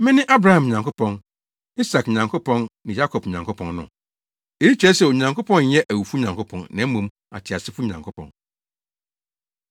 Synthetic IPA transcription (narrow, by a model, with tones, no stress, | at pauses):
mɪ̃˦nɪ̃˦ʔa˦bɾa˦hã˨m˨ɲã˨ŋkʊ˦pʰɔ̃˨n | i˦sa˨kɲã˨ŋkʰo˦pʰɔ̃˦nnɪ̃˨ja˦kʰɔ˨pɲã˨ŋkʰʊ˦pʰɔ̃˨nnʊ̰̃˨ | e˨i˦t͡ɕᶣɾɛ˦sɛ˨o˨ɲã˨ŋkʰo˦pʰɔ̃˦n˦jɛ˦ʔæ˨wu˨fu˦ɲã˨ŋkʰʊ˦pʰɔ̃˨nnã˨˦mũ˨˦m | a̰˨tʰɪ˨a˨sɪ˦fu˦ɲã˨ŋkʰʊ˦pʰɔ̰̃˨n